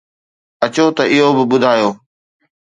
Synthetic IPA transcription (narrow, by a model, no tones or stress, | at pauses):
ɐt͡ɕot̪ɐʔɪɦobɪbʊd̪ʱaːjoː